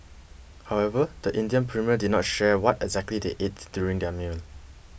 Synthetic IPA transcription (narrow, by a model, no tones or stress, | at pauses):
haʊɛvəd̥əʔĩndiə̃npʰɹimiədidnɔtʃɛwɔtɛɡzɛk̚tlideʔet̚d̥juɹĩŋdɛmun